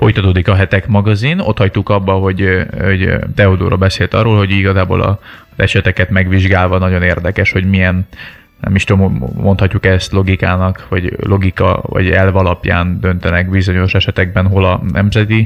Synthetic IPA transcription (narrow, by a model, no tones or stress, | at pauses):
fo̞jt̪ɒt̪oːd̪ikɒɦɛt̪ɛkmɒɡɒzino̞̰t̪hɒct̪ukɒbːɒɦo̞ɟoɟt̪ɛod̪o̰ːɾoːlbɛseːlt̪ɒroːlho̞ɟiɡɒzaːbo̰ːlʔɒ̰ | zɛʃɛt̪ɛkɛt̪mɛɡʋiʒɡaːlvɒnɒɟo̞neːrd̪ɛkɛʃho̞ɟmijɛn | nɛ̰miʃt̪ommo̞nt̪hɒcːukɛst̪lo̞ɡikaːnɒkvɒɟlo̞ɡikɒ̰vɒ̰ɟɛlvɒlɒpja̰ːnd̪ønt̪ɛnɛkbizo̞ɲo̞ʃɛʃɛt̪ɛɡ̚bɛnɦo̞lɒnɛmzɛt̪i